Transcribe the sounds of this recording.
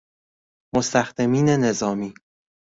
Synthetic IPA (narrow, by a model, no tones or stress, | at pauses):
most̪ʰæxd̪emiːne̞ne̞zɒːmiː